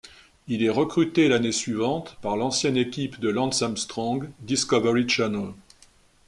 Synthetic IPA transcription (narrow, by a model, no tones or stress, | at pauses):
ilɛʁəkχyt̪elanesɥivɑ̃t̪paʁlɑ̃sjɛnekʲipd̪əlɑ̃d̪samst̪χɔ̃ɡd̪iskɔvɛʁit͡ʃanal